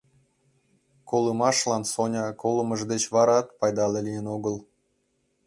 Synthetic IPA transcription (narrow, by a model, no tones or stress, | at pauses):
kolɯmɑʃlɑnsonʲɑkoləməʒd̪et͡ɕβɑɾɑt̪pɑjd̪ɑlelijənoɣəlˠ